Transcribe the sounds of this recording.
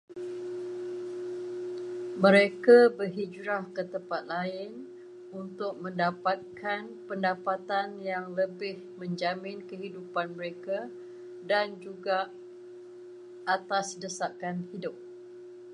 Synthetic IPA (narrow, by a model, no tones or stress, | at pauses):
mə̃ɾekabərɦid͡ʒɾahkət̪əmpat̪̚laɪn | unt̪ʊk̚mə̃ndapat̪̚kʰan | pəndapat̪anjaŋləbɪh | mə̃ɲd͡ʒamɪ̃nkəɦidupanməɾeka | dand͡ʒuɡa | ʔat̪asdəsakanhidʊp̚